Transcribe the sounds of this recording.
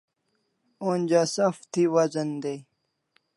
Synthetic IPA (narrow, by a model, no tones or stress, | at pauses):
oːnʲd͡ʑasɐft̪ʰiwɐzɐnd̪ej